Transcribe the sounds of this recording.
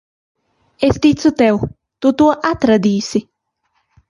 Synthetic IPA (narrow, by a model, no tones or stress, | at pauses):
ɛst̪it͡sut̪ɛw | t̪ut̪uɐʔat̪ɾɐd̪iːsɪ